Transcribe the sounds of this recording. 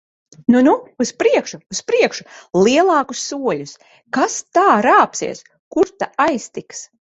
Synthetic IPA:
nunuuspɾiɛkʃuːspɾiɛkʃuliɛlˠɑːkusːuɔlʲus | kast̪aːɾaːpsḭɛs | kuɾt̪aajst̪iks

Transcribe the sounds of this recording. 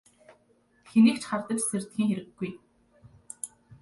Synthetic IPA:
xeniːkt͡ɕχart̪ə̆t͡ɕser̥t̪xiːŋxeɾɘ̆ɡːuj

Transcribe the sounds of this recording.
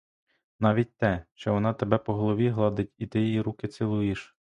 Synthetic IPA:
nɑʋʲit̚ʲt̪ɛʃt͡ʃɛʋɔnɑt̪ebɛpɔɦɔlˠɔʋʲiɦlˠɑd̪ɪtʲit̪ɪjejiɾukɪt̪sʲɪlˠujiʃ

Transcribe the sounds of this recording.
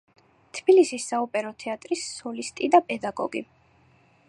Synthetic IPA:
t̪ʰbilisisːaupʼɛɾɔt̪ʰɛat̪ʼɾisːɔlist̪ʼid̪apʼɛd̪aɡɔ̰ɡḭ

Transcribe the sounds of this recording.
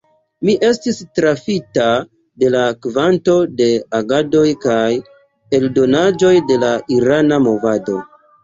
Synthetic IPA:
miʔe̞stistɾafita | de̞lakvanto̞de̞aɡado̞jkaj | e̞ldo̞nad͡ʒo̞jde̞laʔiɾanamo̞vado̞̰

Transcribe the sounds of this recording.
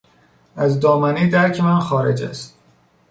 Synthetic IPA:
æzd̪ɒːmæniːd̪æɾcʰemænxɒːɾed͡ʒæ̰st̪̚

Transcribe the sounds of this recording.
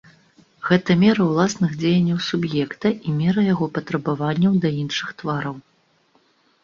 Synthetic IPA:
ɣɛt̪ɐmʲɛɾɐwlˠasnɨɣd͡zʲejɐnʲːɐwsubjɛkt̪ɐʔimʲɛɾɐjaɣɔpɐt̪ɾɐbavanʲːɐwd̪ɐinʂɨxt̪vaɾɐw

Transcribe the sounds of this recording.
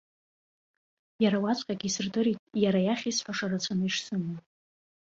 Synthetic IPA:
jaɾawat͡sʷʰʼqʲʼaɡʲisɨrdɨɾitʼjaɾajaχʲisħʷaʂarat͡ɕʷʰanɨiʂsɨma

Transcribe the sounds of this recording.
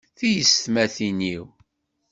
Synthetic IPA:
θijəsθmæθiniw

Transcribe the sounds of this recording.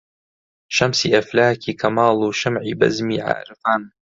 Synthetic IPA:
ʃɐmsiːʔɐflaːkʰiːkʰɐmaːluʃɐmʕiːbɐ̰zmiːʕa̰ːɾɨfaːn

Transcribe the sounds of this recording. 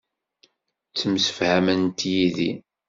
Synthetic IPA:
t͡sːəmsə̥fhæmənt̪jiði

